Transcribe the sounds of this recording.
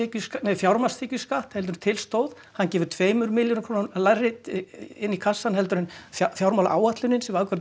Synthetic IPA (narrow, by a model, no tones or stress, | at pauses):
ɪcʏskanejfjawɾmasʰɪːcʏskaht̪hɛlt̪ʏɾnt̪ʰɪlst̪oːwð | hancɛːvʏɾ̥t̪ʰveːjmʏɾmɪljʏɾʏkʰɾɔnanlajrːɪt̪ɪnːikʰasːanhɛlt̪̬ʏɾʏnfjawɾmawlaʔaːwat̪lʏnːɪnsɛvakœɾ